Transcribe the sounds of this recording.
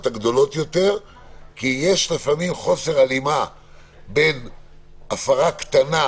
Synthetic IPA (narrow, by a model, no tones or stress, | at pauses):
ot̪aɡd̪o̞lo̞t̪jo̞t̪e̞ʁ | kije̞ʃlefamimχo̞se̞ʁalima | be̞n | afaʁakt̪ana